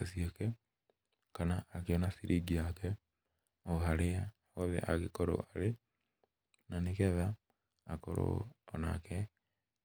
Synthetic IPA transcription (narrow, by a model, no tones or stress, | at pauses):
esiokɛ | kanaːkeɔnasiɾʔiɡiakɛ | ohaɾea | wɔðɛ̰ʔaɣekɔɾo̰ʔaɾe | nanekɛðaː | ko̰ɾo̰ːna̰kɛ